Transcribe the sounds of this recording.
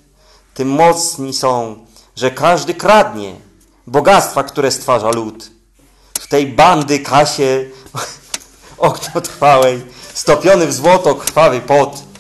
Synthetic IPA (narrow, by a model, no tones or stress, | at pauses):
t̪ɘmːɔt̪sɲisɔ̃w̃ | ʐɛkaʐd̪ɘkɾad̪ɲɛ̰ | bɔɡat̪st̪fakt̪uɾɛst̪faʐalut̪ | ft̪ɛjband̪ɘkʰaɕɛ | ɔkɲɔt̪ɾfawɛjst̪ɔpʲjɔnɘvzwɔt̪ɔkɾ̥fawɘpɔt̪